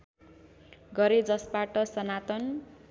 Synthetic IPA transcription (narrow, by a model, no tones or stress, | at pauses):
ɡʌɾed͡zʌsbaʈʌsʌnat̪ʌn